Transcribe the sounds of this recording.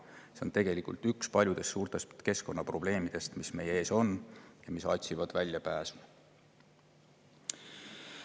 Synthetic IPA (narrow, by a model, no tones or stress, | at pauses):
se̞o̞nt̪e̞ɡ̥e̞likˑult̪ykspɑlʲjud̪̥e̞st̪suːrt̪e̞st̪ke̞sko̞nːɑpro̞b̥le̞ːmid̪̥e̞st̪misme̞jee̞ːso̞njɑmisɑ̰t̪ʲsivɑd̪̥vælʲjɑpæːsmɑ